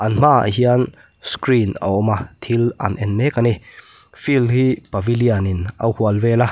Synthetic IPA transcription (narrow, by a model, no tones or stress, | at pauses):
ʔɐnm̥aə̰ɦian | skɾinɐ̰ʔɔmat̪ʰilʔɐ̰nʔɛnmɛkani | filɦipɐvilianinʔɐ̰whuɐlvɛla